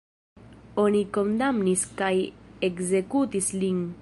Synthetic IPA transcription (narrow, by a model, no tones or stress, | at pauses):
onikond̪amniskajekzekut̪isliŋ